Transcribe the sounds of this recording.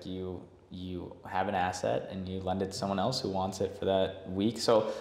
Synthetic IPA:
jɨ | jɨɨvɨ̃ñæsɛ̰ɾɨ̰̃njɨlɛ̃ndɨd̥sʌ̃mwʌ̃ñɛlˠshuwɑ̃ntsɨtfə˞ðət̚wiksoʊ

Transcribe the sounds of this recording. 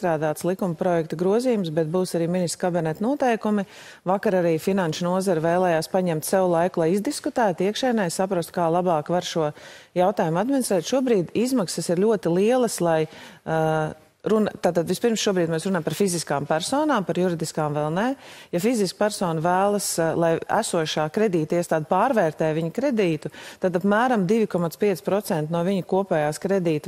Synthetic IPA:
t̪ɾaːd̪aːt̪slˠikumpɾɔjɛkt̪ɐɡɾuɔzijumsbɛt̪̚buːsaɾiːminist̪ɾkabinɛt̪nuɔt̪ɛjkumi | vakaɾaɾiːfinanʃʊnuɔzaɾvɛːlˠɛːjaːspaɲɛmt̪sɛwʊlˠajkʊlˠajizd̪iskut̪æːt̪iɛkʃɛjnɛjsapɾɔst̪̚kaːlˠabɑːkvaɾʃuɔjawt̪aːjumad̪mʲinist̪ɾɛːt̪ʃuɔbɾiːd̪izmaksəsiɾlʲuɔt̪ilˠiɛlˠɐslˠaj | ɾunat̪aːt̪ad̪ʋispiɾmsʃuɔbɾiːd̪mɛːsɾunampaɾfiziskaːmpæɾsɔːnaːmpaɾjuɾid̪iskaːmvɛlˠnɛjafiziskpæɾsɔːnvæːlˠəslˠajæ̰suɔʃaːkɾɛd̪iːt̪iɛst̪aːd̪pɑːɾvɛːɾt̪ɛːʋiɲkɾɛd̪iːt̪ut̪ad̪apmæːɾamd̪iʋʲikɔmat̪spiɛspɾɔt̪sɛnt̪nuɔviɲukuɔpɛːjaːskɾɛd̪iːt̪

